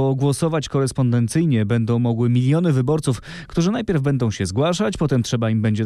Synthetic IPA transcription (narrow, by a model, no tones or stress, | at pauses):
ɔɡwɔsɔvat͡ɕkɔɾɛspɔnd̪ɛnt̪sɘjɲɛbɛnd̪ɔ̃w̃mɔɡwɘmʲilʲjɔnɘvɘbɔɾt̪suf | kt̪uʐɘnajpʲjɛɾvbɛnd̪ɔ̃w̃ɕɛzɡwaʂat͡ɕpɔt̪ɛmtʂɛbaimbɛɲd͡ʑɛ